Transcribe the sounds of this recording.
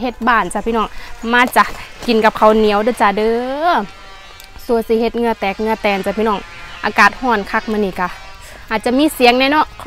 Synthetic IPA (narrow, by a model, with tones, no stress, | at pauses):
ɦe˧˦t̪̚baː˧˩nt͡ɕa˧pʰiː˧nɔː˧˩ŋmaː˧t͡ɕa˧ki˨˩nka˧p̚kʰa˧˩wni˨˧˦ə˨wdɯː˧˩t͡ɕa˧˩dɤː˧˦ | su˧˩əsi˧˦he˧˦t̪̚ŋ˧ɐ˨t̪ɛː˨˩k̚ŋɯ˧ɐ˨t̪ɛː˨˧˩nt͡ɕa˧˩pʰiː˧nɔː˧˩˨ŋ | ʔaː˨˧kaː˨˩t̪̚hɔː˧˩nkʰa˧˥k̚maː˧˨niː˧˩ka˧˩ | ʔaː˨˩t̪̚t͡ɕa˧˨miː˧˥˨si˨˦əŋna˧˨nɔ˧˨ʔʰ